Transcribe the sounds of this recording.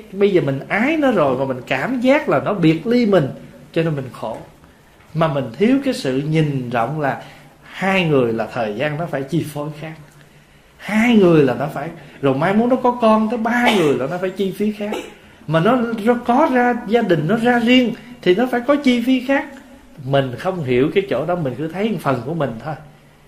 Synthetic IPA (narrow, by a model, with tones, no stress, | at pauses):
ɓə˧jzəː˨˩mï˨˩ŋ̟ʔaː˨˦jnɔ˨˦zo˨˩jmaː˨˩mï˨˩ŋ̟kaː˧˩mzaː˦˥k̚laː˨˩nɔ˨˦ɓi˨˩ət̚li˧mï˨˩ŋ̟t͡ɕɔ˧ne˧nmï˨˩ŋ̟xo˧˩ | maː˨˩mï˨˩ŋ̟t̪ʰi˨˦əwkaː˨˦jsɨ̰˧˨ɲi˨˩nzɔ̰˧˨wŋ͡mlaː˨˩ | haː˧jŋɨ˨˩əjlaː˨˩t̪ʰəː˨˩jzaː˧nːɔ˨˦faː˧˩jt͡ɕi˧fo˧˦jxaː˦˥k̚ | haː˧jŋɨ˨˩əjlaː˨˩nɔ˨˦faː˧˩jzo˨˩jmaː˨˧˦jmu˨˦ənːɔ˨˦kɔ˨˦kɔ˧nt̪ʰəː˨˦jɓaː˧ŋɨ˨˩əjlaː˨˩nɔ˨˦faː˧˩jt͡ɕi˧fi˨˦xaː˦˥k̚ | maː˨˩nɔ˨˦zɔ˨˦kɔ˨˦zaː˧zaː˧ɗï˨˩ŋ̟nɔ˨˦zaː˧zi˧əŋt̪ʰi˨˩nɔ˨˦faː˧˩jkɔ˨˦t͡ɕi˧fi˨˦xaː˦˥k̚ | mï˨˩ŋ̟xə˧wŋ͡mɦi˧˩əwkaː˨˦jt͡ɕo̰˧˩ɗɔ˨˦mï˨˩ŋ̟kɨ˧˥ət̪ʰə˨˦jʔfə˨˩nku˧˩əmï˨˩ŋ̟t̪ʰo˧j